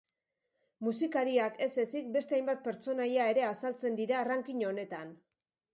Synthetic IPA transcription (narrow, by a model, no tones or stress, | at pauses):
musikaɾiake̞se̞sik̚be̞st̪eajmbat̪̚pe̞ɾt͡so̞najae̞ɾe̞asalt͡se̞nd̪iɾaːraŋkiɲoone̞t̪an